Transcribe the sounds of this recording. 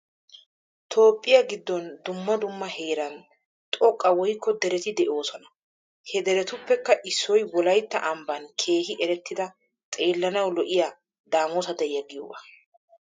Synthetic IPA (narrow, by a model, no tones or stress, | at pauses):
t̪ʰo̞ːpʼːɪjɐɡɪd̪ːɔnd̪ʊmːɐd̪ʊmːɐheːɾɐn | t̪ʼɔkʼːɐwɔjkʰːɔd̪ɛɾɛt̪ɪd̪ɛʔo̞ːsɔnɐ | hɛd̪ɛɾɛt̪ʊpːɛkːɐʔɪsːɔjwɔlɐjt̪ːɐʔɐmbɐnkʰe̞ːhɪʔɛɾɛt̪ːɪd̪ɐ | t̪ʼe̞ːlːɐnɐwlɔʔɪja | d̪aːmoːsɐd̪ɛjɐɡɪjobɐ